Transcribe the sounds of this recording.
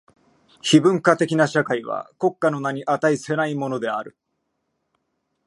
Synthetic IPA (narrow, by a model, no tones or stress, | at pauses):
çibɯ̟̃ŋkat̪e̞kʲinaɕakaiβa̰ko̞kːano̞naɲ̟iʔat̪aisɨe̞naimo̞no̞d̪e̞aɾɯ̟